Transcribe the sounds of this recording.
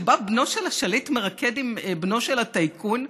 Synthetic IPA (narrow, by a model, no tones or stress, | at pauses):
babno̞ʃelaʃalitmeʁaked̪imbno̞ʃelatajkun